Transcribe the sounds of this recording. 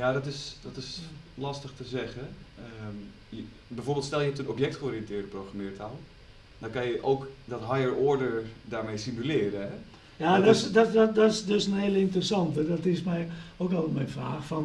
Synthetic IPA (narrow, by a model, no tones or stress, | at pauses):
jadɔtɪsdɔtɪslɑstəxtəzɛɣəə | j | bɛjfoɹbɪlˠtstɛlˠjəhɛptənopjɛk̚tχəoːrijəntɪədəprowxramɪətalˠ | d̥ɔnkanjəʔowkdɔtɦajəɹɔɹdəɹdaːɹmejsimylɪːɾəɦɛ | jaːdɔsdɔdɔsdøsənheːəlˠəɪntərəsɑntədɔtɪsmɛjokɔltətmɛjnfraːxfɔn